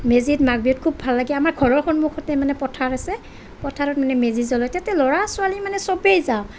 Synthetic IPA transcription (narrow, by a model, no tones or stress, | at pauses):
mezitmaɡ̚biɔtkʰubbʱalːaɡiamaɹɡʱɔɹɔɹkʰɔnmukxʰɔtɛmanɛpɔtʰaɹasɛ | pɔtʰaɹɔt̚manɛmezizɔlɔjtɛtɛlɔɹasualimanɛsɔbejzaʊ